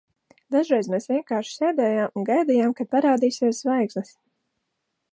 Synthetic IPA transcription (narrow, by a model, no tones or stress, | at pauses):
d̪aʒɾɛjzmeːsvʲiɛŋkaːɾʃseːd̪ɛːjaːmunɡajd̪ijaːmkad̪̥̚paɾaːd̪iːsiɛszvajkslˠɨs